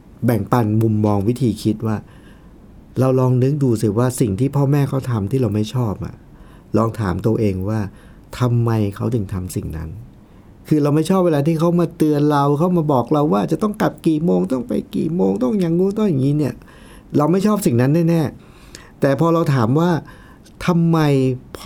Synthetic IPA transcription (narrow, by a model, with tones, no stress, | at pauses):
bɛ˨˩ŋpa˧nmu˧mːɔː˧ŋwi˦˥t̪ʰiː˧kʰi˦˥t̪̚waː˥˩ | ɾa˧wlɔː˧ŋnɯ˦˥k̚duː˧si˨˩waː˥˩si˨˩ŋt̪ʰiː˥˩pʰɔː˥˩mɛː˥˩kʰa˦˥wt̪ʰa˧mt̪ʰiː˥˩ɾa˧wma˥˩jt͡ɕʰɔː˥˩p̚ʔa̰˨˩ | lɔː˧ŋt̪ʰa̰ː˩˦mt̪u˧əʔeː˧ŋwaː˥˩ | t̪ʰa˧mːa˧jkʰa˦˥wt̪ɯ˨˩ŋt̪ʰa˧msi˨˩ŋna̰˦˥n | kʰɯː˧ɾa˧wma˥˩jt͡ɕʰɔː˥˩p̚weː˧laː˧t̪ʰiː˥˩kʰa˦˥wmaː˧t̪ɯ˧ənɾa˧wkʰa˥˩wmaː˧bɔː˨˩k̚ɾa˧wːaː˥˩t͡ɕa˨˩t̪ɔ˥˩ŋka˨˩p̚kiː˨˩moː˧ŋt̪ɔ˥˩ŋpa̰˧jkḭː˨˩moː˧ŋt̪ɔ˥˩ŋɲa˧ŋːuː˦˥t̪̬ɔ˥˩ja˨˩ŋːiː˦˥ni˥˩ɐ | ɾa˧wma˥˩jt͡ɕʰɔː˥˩p̚si˨˩ŋna˦˥nːaː˥˩nɛː˥˩ | t̪ɛː˨˩pʰɔː˧ɾa˧wt̪ʰaː˩˦mwaː˥˩ | t̪ʰa˧mːa˧jpʰ